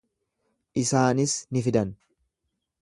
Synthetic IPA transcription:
ʔɪsaːnɪsnɪfɪd̪ɐn

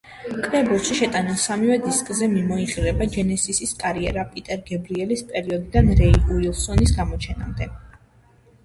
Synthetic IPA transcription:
kʼɾɛbulˠʃiʃɛt̪ʼanɛlˠsamivɛd̪iskʼzɛmimɔiχʼiɾɛbad͡ʒɛnɛsisiskʼaɾiɛ̰ɾapʼit̪ʼɛɾɡɛbɾiɛlispʼɛɾiɔd̪id̪anɾɛiuilˠsɔnisɡamɔt͡ʃʰɛna̰md̪ɛ

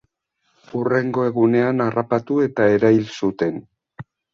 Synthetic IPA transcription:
ure̞ŋɡo̞e̞ɣune̞anarapat̪ue̞t̪ae̞ɾajlsut̪e̞n

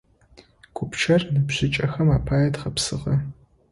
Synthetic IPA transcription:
ɡʷʰʊpʈ͡ʂʰɐrnɨbʑɪt͡ʃʼɐxɐmaːpʰaːjɐtχɐpsɨʁɐ

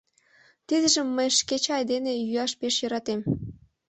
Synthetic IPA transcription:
t̪id̪ə̆ʒəmːəjʃket͡ɕɑjd̪enejyɑʃpeʃjə̆ɾɑt̪em

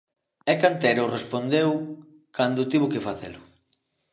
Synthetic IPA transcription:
ɛkant̪eɾorespond̪ew | kand̪ʊt̪iβʊkefaθḛlʊ

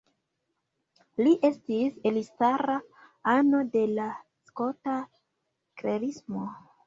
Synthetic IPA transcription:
liʔe̞stiselistaɾa | ano̞de̞la | sko̞ta | kɾeɾismo̞

